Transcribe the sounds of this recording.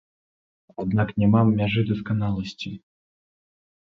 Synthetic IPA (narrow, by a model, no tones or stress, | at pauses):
ad̪naknʲɛmamːʲaʐɨd̪ɐskanalˠɐsʲt͡sʲi